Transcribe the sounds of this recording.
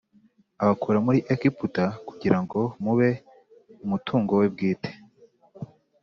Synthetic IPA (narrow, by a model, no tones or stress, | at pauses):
aβakuɾamuɾiʔekiputakuɟiɾaŋɡo̞muβe̞ | umutʰuːŋɡowe̞bɡiːte̥